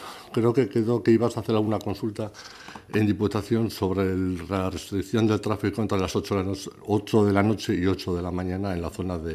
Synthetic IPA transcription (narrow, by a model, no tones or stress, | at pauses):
kɾe̞oke̞keðo̞keiβasaθealɣunako̞nsult̪a | e̞̰nd̪iput̪aθjo̞nso̞β̞ɾe̞rare̞st̪ɾikθjo̞nd̪e̞lt̪ɾafikoent̪ɾe̞lasot͡ʃooot͡ʃo̞ðe̞lano̞t͡ʃe̞io̞t͡ʃoðe̞lamãɲanae̞nlaθo̞naðe